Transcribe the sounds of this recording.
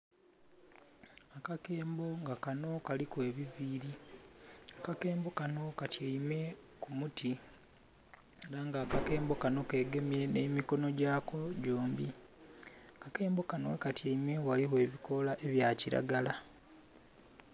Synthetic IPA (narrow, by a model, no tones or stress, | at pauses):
akake̞ːmbo̞ŋɡakano̞kalikwe̞ːβiviːɾi | akake̞ːmbo̞kano̞katʰjaime̞ | kumutʰi | eɾaŋɡaːkake̞ːmbo̞kano̞ke̞ːɡe̞mje̞nemiko̞no̞ɟaːkoɟo̞ːmbi | akake̞ːmbo̞kanowekatjaimewaliɦwe̞ːβikʰo̞laʔe̞βjaːciɾa̰ɡala